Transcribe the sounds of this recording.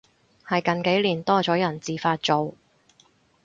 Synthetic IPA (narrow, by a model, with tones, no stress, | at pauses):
hɐ˨jkɐ˨nke˨˥jliː˨˩nt̪ɔː˥t͡sɔː˨˥jɐ˨˩nt͡siː˨faː˧t̚t͡so˨w